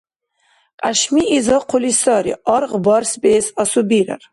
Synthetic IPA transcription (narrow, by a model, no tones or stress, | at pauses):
qʼaʃmiːzɑqʰʊlisɑɾḭɑɾʁbɑɾsbɛːsɑsubiɾa̰r